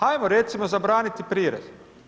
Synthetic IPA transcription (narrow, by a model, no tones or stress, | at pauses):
ajmoɾet̪simozabɾaːnit̪ipɾiːɾḛz